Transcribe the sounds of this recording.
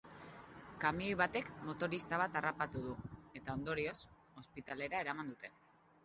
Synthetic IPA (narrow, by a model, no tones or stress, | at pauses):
kamio̞jβat̪e̞kmo̞t̪o̞ɾist̪aβ̞at̪arapat̪uðuet̪ao̞nd̪o̞ɾio̞s | o̞spit̪ale̞ɾae̞ɾamand̪ut̪e̞